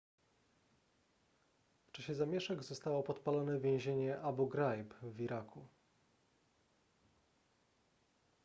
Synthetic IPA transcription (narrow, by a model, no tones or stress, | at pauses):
ft͡ʂaɕɛzamʲjɛʂɛɡzɔst̪awɔpɔt̪palanɛvʲjɛ̃w̃ʑeɲɛʔabuɡɾajpviɾakʰu